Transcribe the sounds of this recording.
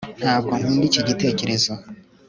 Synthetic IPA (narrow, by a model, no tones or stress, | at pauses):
n̥haːb̚ɡoŋuːndiciɟite̞ːce̞ɾe̞zo